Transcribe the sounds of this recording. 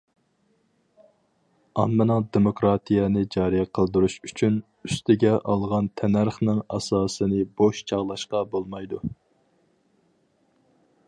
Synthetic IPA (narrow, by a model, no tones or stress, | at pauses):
ɑmːɨnɨŋd̪emokɾɑt̪ʰijɛnɨd͡ʒɑːɾijɛqʰəlˠd̪uɾuʃyt͡ʃʰyn | yst̪ɪɡʲɛʔɑ̰lˠʁɑnt̪ʰɛnæɾχnɨŋɑ̰sɑːsɨnɨboʃt͡ʃʰɑʁlˠɑʃqɑbolˠmɑjd̪u